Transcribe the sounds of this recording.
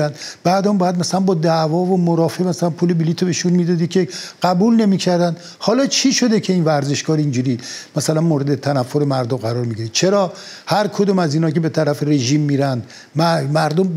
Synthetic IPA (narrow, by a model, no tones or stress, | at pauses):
ænd̪bæːd̪ɒmbɒːjæd̪mæsælænbɒːd̪ævɒːvomoɾɒːfemæsælænpʰuːlebiliːt̪ʰobeʃunmiːd̪ɒd̪ikʲʰe̞ɢ̥æbuːlne̞miːcʰæɾd̪ænd̪ | hɒːlɒːt͡ʃʰiːʃo̞d̪ecʰe̞iːnvæɾze̞ʃɡɒːɾind͡ʒuːɾiːmæsælænmoːɾe̞d̪et̪ʰænæfːoɾemæɾd̪omɢæɾɒːɾmiɟiɾi̥t͡ʃʰeɾɒː | hæɾkʰod̪oːmæziːnhɒːkʲʰe̞be̞t̪ʰæɾæfeɾe̞ʒiːmːiːɾænd̪ | mæmæɾd̪om